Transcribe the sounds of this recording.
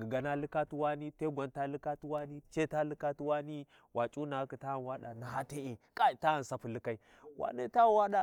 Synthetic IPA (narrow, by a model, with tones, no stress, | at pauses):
ɡi˨ɡa˨na˦lɨ˦ka˦tu˦wa˦ni˦te˦ɡʷa˨nta˦li˦ka˦twa˦ni˦t͡ʃe˦ta˦li˦ka˦tu˦wa˦ni˦ | wa˨t͡ʃʼu˦na˨˦ki˨ta˦˨nwa˦ɗa˨na˨ɦa˦te˦e˨kʼa˦i˨ta˦a˨n˨sa˦pu˨li˦ka˦i˦ | wʔa̰˨ne˦ta˦˨wa˦ɗa˨